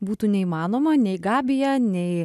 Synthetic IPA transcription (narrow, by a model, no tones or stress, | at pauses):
buːt̪uːnʲɛiːmɑːnoːmɐnʲɛɪɡɑːbʲɪjɛnʲɛɪ